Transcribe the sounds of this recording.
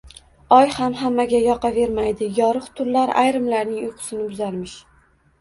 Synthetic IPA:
ɒjhamɦamːaɡʲajɒqʰɑve̞ɾmajd̪ɪjɒɾɨχt̪ʰʊɾlːaɾa̰jɾɪmlaɾnɪŋʊjqʰʊ̥sɪnɪbʊzaɾmɪʃ

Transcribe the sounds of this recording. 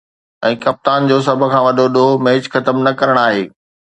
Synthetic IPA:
ɛ̃ːkɐp̚t̪aːnd͡ʑoːs̬ɐbʱʊ̆kʰãːʋɐɗoɗomɛ̃ɦɪd͡ʑxɐt̪əmnɐkɐɾəɽ̃aːɦeː

